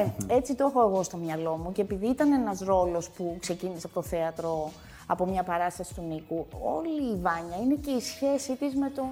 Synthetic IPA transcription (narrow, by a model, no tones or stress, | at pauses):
e̞t͡sit̪o̞xo̞eɣo̞st̪o̞mɲɐlo̞muce̞ːpiðiit̪ɐnenɐzɾo̞lo̞spukse̞ciniseɐpo̞t̪oθe̞ɐt̪ɾo̞ | ɐpo̞mɲɐpɐɾɐst̪ɐsi̥t̪unikuo̰liːvɐɲɐine̞ce̞isçe̞sit̪izme̞t̪o̞